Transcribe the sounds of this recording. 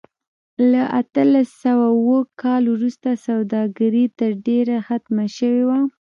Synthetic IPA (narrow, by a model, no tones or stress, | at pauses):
laʔat̪əlasawawəkʰɑlwɾust̪asawd̪ɑɡaɾit̪əɾɖeɾaxat̪maʃəwewa